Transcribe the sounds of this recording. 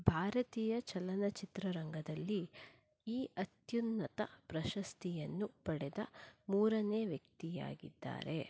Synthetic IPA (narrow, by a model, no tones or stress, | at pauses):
bʱaːɾɐt̪iːjɐt͡ʃɐlɐnɐt͡ʃit̪ɾɐɾɐŋɡɐd̪ɐlːi | iːʔɐt̪junːɐt̪ɐ̰pɾɐʃɐst̪ijɐnːupɐɽɛd̪ɐ̰muːɾɐne̞ːʋjɐk̚t̪ija̰ːɡḭd̪ːa̰ːɾe̞̰